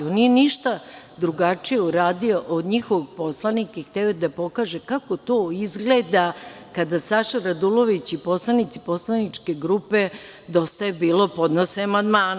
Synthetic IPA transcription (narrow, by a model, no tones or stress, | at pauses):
onijeniʃt̪a | d̪ɾuɡat͡ʂijeuɾaːd̪ioʔod̪ɲixoʋoɡpo̞slˠanikaixt̪eod̪apo̞kaːʒekako̞t̪o̞izɡled̪a | kad̪asaʃaɾad̪ulˠo̞ʋit͡ɕipo̞slˠanit̪si̥po̞slˠanit͡ʂke̞ɡɾupe̞ | d̪o̞st̪aebiːlˠo̞po̞d̪noseamand̪maːn